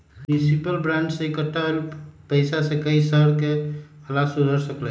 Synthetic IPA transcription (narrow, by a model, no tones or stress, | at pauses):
mnisipəlbɾãɳɖseekəʈːaelpəɪsasẽkəisəɾkekʰəlaksud̪ʱəɾsəkl